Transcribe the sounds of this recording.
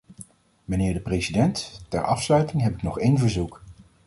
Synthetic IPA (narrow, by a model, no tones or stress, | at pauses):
mənɪːɹdəprejsidɛnttɛɹʔɑfslœɥtɪŋɦɛpɪknɔχejnvəɹzuk